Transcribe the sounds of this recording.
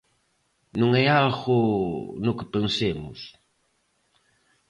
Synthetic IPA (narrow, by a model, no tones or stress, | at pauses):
nũŋɛjalɣʊnʊkɪpensemʊ̰s